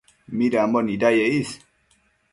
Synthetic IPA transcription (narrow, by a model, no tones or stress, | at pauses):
midambɔnidajeis